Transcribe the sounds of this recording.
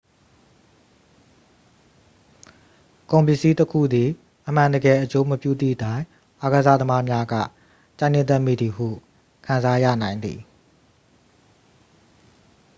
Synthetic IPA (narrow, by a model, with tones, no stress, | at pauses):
kõ˨mpɪ˦˨ʔsi˦təkʰṵ˦˨d̪ði˨ | ʔəm̥ã˨ndə˨ɡɛ˨ʔət͡ɕo˦məpjṵ˦˨d̪ḭ˦˨tã˦ɪ̃ | ʔa˦ɡə˨za̰˦˨d̪əma˦mja˦ɡä̰˦˨ | t͡ɕã˦˨nɪ̃˦˨t̪ɛ˦ʔmḭ˦˨d̪ði˨hṵ˦˨ | kʰã˨za˦ja̰˦˨nã˨ɪ̃nd̪ðḭ˨